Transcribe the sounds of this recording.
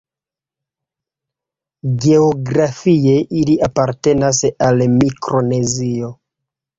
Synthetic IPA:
ɡe̞oɡɾafie̞ʔiliapaɾte̞nasalmikɾo̞ne̞zio̞

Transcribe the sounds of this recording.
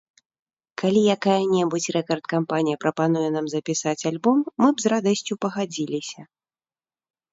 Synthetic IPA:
kalʲijakajɐnʲɛbut͡sʲrɛkɐrt̪kampanʲijɐpɾɐpan̪ujɛnamzɐpʲisat͡sʲalʲbɔmːɨbzrad̪ɐsʲt͡sʲupɐɣad͡zʲilʲisʲɐ

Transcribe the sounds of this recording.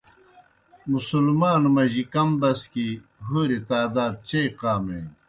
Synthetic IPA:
musulmaːnmɐʑikɐmbɐskiɦoːɾit̪aːd̪aːd̪̚t͡ɕejqaːmḛ

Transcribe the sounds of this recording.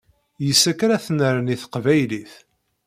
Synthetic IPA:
jəsːækɾæθnəɾəniθə̥qvæjliθ

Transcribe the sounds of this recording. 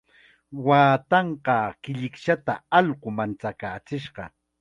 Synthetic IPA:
waːt̪ɑɴɢɑkɪʎɪkʃat̪a̰ɑʎɢʊmant͡sakaːt͡sɪʃɢɑ̰

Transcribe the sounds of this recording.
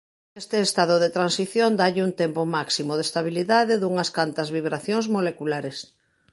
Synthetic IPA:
est̪eːst̪aðoðet̪ɾansiθjond̪aʎɪunt̪empomaksimoð̞est̪aβ̞iliðaðeðuŋɐskant̪ɐzβiβɾaθjoŋzmolekulaɾes

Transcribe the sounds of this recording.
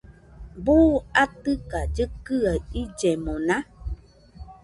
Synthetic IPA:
buːatɨkad͡ʒəkɨaid͡ʒɛmɔna

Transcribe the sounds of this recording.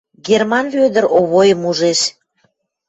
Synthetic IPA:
ɡermɑnβød̪əɾoβojəmuʒeʃ

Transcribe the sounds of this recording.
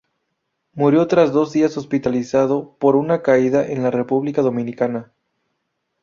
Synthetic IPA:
muɾjo̞t̪ɾazðo̞zðiaso̞spit̪alisaðo̞po̞ɾunakaiðaʔenlare̞puβlikaðo̞mĩnikana

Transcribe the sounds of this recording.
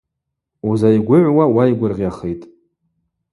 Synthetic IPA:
uzajɡʷʊʕʷwawajɡʷʊrʁʲjaχejtʼ

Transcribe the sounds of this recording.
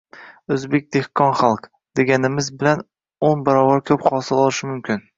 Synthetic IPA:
ɵzbek̚ʲd̪̥e̞hkʰɒnχalˠq | d̪̥e̞ɡʲanɪmɪzbɪlan | onbaɾɒvaɾkʲʰɵpχɒsɪlɒlˠɪʃɪmʊmkʲʰɪn

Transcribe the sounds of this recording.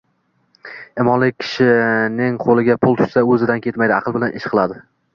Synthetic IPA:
emɒnlɪk̚ʲkʲʰɪ̥ʃɪnɪŋqʰolˠɪɡʲapʰʊlˠt̪ʰʊ̥ʃsaɵzɪd̪ankʲʰe̞t̪majd̪ɪɑ̰qʰɨlˠbɪlanʔɪʃqʰɨlˠad̪ɪ

